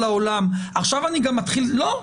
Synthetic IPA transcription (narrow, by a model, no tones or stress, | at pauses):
laolamaχʃavaniɡamːatχillo